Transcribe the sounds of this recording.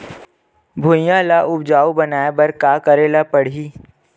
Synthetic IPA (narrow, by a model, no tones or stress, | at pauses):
bʱʊjãlaʔʊbd͡ʒaːubɐnaːebɐɾkaːkəɾeːlapəɽ̤iː